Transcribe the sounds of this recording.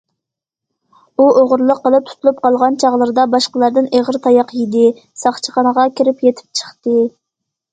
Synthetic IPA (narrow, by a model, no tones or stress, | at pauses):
uoʁʊɾlˠəqːəlˠɨp̚t̪ʰu̥t̪ʰulˠup̚qɑlˠʁɑnt͡ʃʰɑʁlˠɨɾɨd̪ɑbɑʃqəlˠɑɾd̪ɨneʁəɾt̪ʰɑjɑqjid̪ɪ | sɑχt͡ʃʰəχɑnəʁɑkʲiɾɪpjet̪ʰɪ̥p̚t͡ʃʰə̥χt̪ɨ